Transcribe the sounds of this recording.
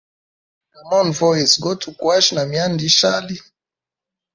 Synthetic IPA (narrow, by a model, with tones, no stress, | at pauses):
ka˨mɔ˦nvɔ˦i˨sɡɔ˦tʰu˨kwa˦ʃna˨mia˦ndi˦ʃa˦li˦